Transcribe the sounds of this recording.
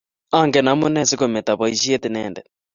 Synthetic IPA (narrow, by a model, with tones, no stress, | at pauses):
a˦ŋɡɛ˨na˨˦mu˦nɛ˦si˦kɔ˨mɛ˨t̪a˨βɔ˨i˨ʃi˦e˦t̪i˨nɛː˨ndɛ̰˨